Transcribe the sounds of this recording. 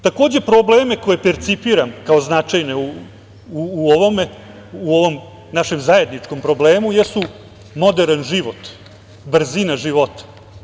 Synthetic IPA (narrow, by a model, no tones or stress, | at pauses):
t̪ako̞ːd͡ʑe̞pɾoblˠeːme̞ko̞je̞peɾt̪sipiɾamkao̞znat͡ʃajneu | uːoʋome | uoʋo̞m | naʃe̞mzaje̞d̪nit͡ʂko̞mpɾo̞bleːmujesu | mo̞d̪eɾanʒiʋo̞t̪ | br̩zinaʒiʋo̞t̪ḁ